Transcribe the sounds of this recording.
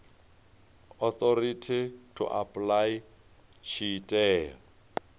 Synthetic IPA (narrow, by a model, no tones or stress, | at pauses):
ɔθɔɾitʰitʰʊ̰ʔapʼlaj | t͡ʃʰitʼɛːrɔ